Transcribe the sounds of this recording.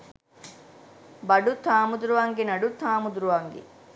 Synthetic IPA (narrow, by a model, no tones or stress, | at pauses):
bɐɖut̪ʰaːmud̪uɾuʋaŋɡinɐɖut̪ʰaːmud̪uɾuʋaŋɡḭ